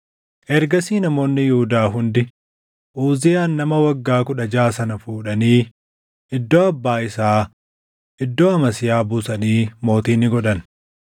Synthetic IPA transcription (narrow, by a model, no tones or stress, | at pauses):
ʔɛɾɡɐsiːnɐmo̞ːnːɪjʊhʊd̪aːɦʊnd̪ɪ | ʔuːzɪjaːnːɐmɐwɐɡːaːkʊᶑɐd͡ʒaːsɐnɐfuːᶑɐniː | ʔɪd̪ːoːɐbːaːɪsaː | ʔɪd̪ːo̞ːɐmɐsɪjaːbʊsɐniːmo̞ːt̪iːnːɪɡɔᶑɐn